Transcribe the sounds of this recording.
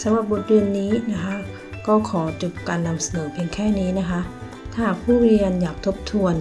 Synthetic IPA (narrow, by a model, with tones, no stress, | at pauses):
sa˨˦ɾa˧˩p̚bo˨˩t̪̚ɾɯ˧ənːiː˦˥na˦˥kʰa˦˥ | kɔː˥˩kʰɔː˩˦t͡ɕu˨˩p̚kaː˨nːa˧msa˧nɤː˩˦pʰi˧ənkʰɛː˥˩niː˦˥na˦˥kʰa˦˥ʔ | t̪ʰaː˧˩˥pʰuː˥˩ɾi˧ənjaː˨˩k̚t̪ʰo˦˥p̚t̪ʰu˧ən